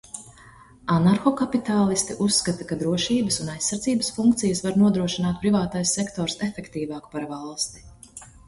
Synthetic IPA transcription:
anaɾxɔkapit̪aːlˠist̪iʔusːkat̪ɐkad̪ɾuɔʃiːbəsunajsːaɾd̪ziːbəsfuŋkt̪sijəsvaɾnuɔd̪ɾuɔʃinaːt̪̚pɾivaːt̪ajsːɛkt̪ɔːɾsefɛkt̪iːvaːku̥paɾvalˠst̪i̥

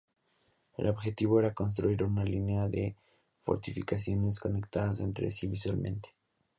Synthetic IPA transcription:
e̞̰lo̞βxe̞t̪iβoe̞ɾako̞ns̬t̪ɾuiɾunalineaðe | fo̰ɾt̪ifikas̬jo̞ne̞s̬ko̞ne̞kt̪aðase̞nt̪ɾḛsiβiswalmẽ̞̰nt̪e̥

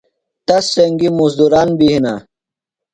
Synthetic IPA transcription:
t̪ɐsːɐŋɡimuzd̪uɾaːnbiɦina

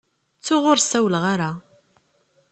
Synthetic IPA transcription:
t͡sːʊʁʊɾsæwlʁaɾa

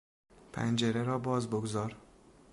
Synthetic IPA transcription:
pʰæ̰nd͡ʒeɾeɾɒːbɒːzboɡzɒːɾ

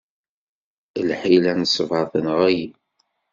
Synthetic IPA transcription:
lħilænəsˤːəvʕəθənəʁæji

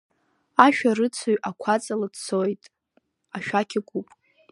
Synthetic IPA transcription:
aʃᶣarɨt͡sʰoɥʔakʷʰat͡sʼaladt͡sʰojtʼ | aʃᶣakʲʰɪkʷupʼ

